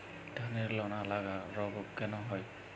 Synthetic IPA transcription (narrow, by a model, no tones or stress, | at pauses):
d̥ʱaneɹlɔnalaɡaɹɔbɔkːɛnɔɦɔj